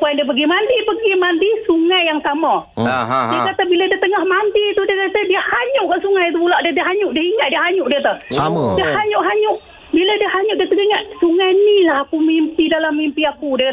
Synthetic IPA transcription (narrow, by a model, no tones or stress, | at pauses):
paɛndiəpəɡimandipəɡimandisuŋajːaŋsama | diəkat̪abiladiət̪əŋahmand̪it̪udiəkat̪adiəhaɲʊʔkaʔsuŋajt̪̬upulaʔdadiəɦaɲʊʔdiəɦiŋat̪̚diəɦaɲʊʔdiət̪əhdiəhaɲʊʔɦaɲʊʔ | biladiəhaɲʊʔdiəht̪əɡiŋaʔ̪̚suŋajnilahakumimpidalamːimpiakudi